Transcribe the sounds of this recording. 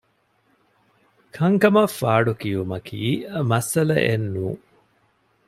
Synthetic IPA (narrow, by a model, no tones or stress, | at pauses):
kʰɐŋkɐmɐfːaːɖukijumɐkʰiːmɐsɐlɐ̰ʔenːuːŋ